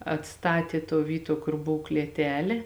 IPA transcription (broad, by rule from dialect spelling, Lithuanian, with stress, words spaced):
ɐtˈstɑːtʲeː tuɔ ˈʋʲiːˌtuɔ ˈkʊr ˈboːw klʲiɛˈtʲæːlʲeː